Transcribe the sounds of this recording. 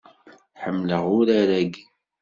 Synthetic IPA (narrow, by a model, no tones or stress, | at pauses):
ħəmːləʁʊɾaɾæɡ